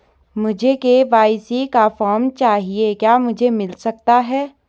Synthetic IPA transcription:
mʊd͡ʒʱekeʋaːɪsikafɔːɾmt͡ʃaːɦiekjaːmʊd͡ʒʱemɪlsɐk̚t̪aɦɛː

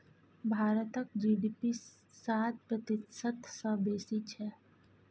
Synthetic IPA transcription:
bʱaːɾət̪ək̚d͡ʒiːɖiːpi | saːt̪̚pɾɐt̪ɪt̪sət̪səbeːsit͡ʃʰɛ

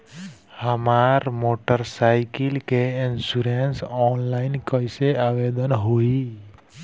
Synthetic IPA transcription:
həmaɾmoʈəɾsaɪkilkeinsuɾensɔnlaɪnkəjseaʋed̪ənɦoi

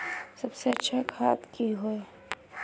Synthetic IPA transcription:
sɐbseɐtːʃʰakʰa̰ːt̪kiɦoe

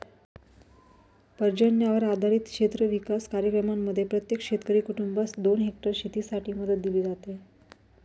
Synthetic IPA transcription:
pəɾd͡ʑəɳjaʋəɾad̪ʱaɾiːt̪kʂet̪ɾəʋikaskaɾjəkɾəmamːəd̪ʱːjepɾət̪jekʂet̪kəɾiːkuʈumbasd̪onɦek̚ʈəɾɕit̪iːsaʈʰiːməd̪ət̪̚d̪iliːd͡zat̪e

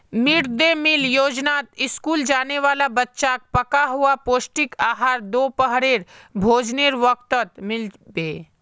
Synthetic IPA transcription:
mɪɽd̪emɪljoːd͡ʒnaːt̪ɪskuːld͡ʒaːneʋaːlabɐtːʃak̚pɐkaɦuapoːsʈɪkaːɦaːɾd̪oːpəɦɾeːɾbʱoːd͡ʒneːɾʋəkt̪ət̪mɪlbeː

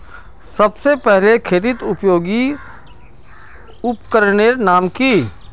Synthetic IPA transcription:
sɐbsepɛɦlekʰeːt̪ɪt̪ʊpjoːɡi | ʊpkəɾɳeːɾnaːmkiː

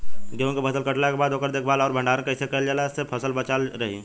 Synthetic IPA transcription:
ɡeə̃ŋkebʱəsəlkəʈlakebaːd̪oːkəɾd̪eːkʰbaːlɔːɾbʱə̃ɳɖaɾə̃kəɪsekəld͡ʒaːlasepʰəsəlbət͡ʃalɾəɦḭ

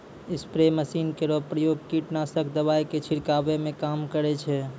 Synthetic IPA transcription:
ɪspɾeməsinkeɾopɾəjoɡ̚kiʈnasəkʰd̪əbajket͡ʃʰiɾkabemẽkamkəɾɛt͡ʃʰɛ

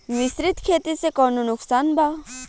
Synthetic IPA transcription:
ʋɪsɾit̪kʰet̪isekɔnonʊksaːnbʱa

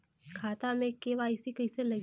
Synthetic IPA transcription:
kʰaːt̪amẽkeʋaɪsikɐiselɐ

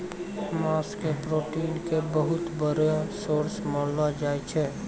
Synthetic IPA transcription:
maːskepɾoːʈiːnkebəɦʊt̪bəɾsoːɾsmɔ̃ːlad͡ʒaːet͡ʃʰɛː

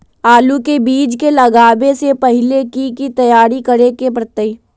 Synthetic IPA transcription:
aːlukebiːd͡ʒkelɐɡaːbesepɐɦɪlekikit̪ɐjaːɾikɐɾekepɾət̪əi

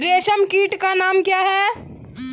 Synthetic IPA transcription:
ɾeːʃəmkiːʈkanaːmkjaːɦɛː

